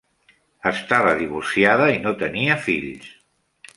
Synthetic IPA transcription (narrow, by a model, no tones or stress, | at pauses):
əst̪aβəðiβ̞ursiaðəinot̪əniəfiʎs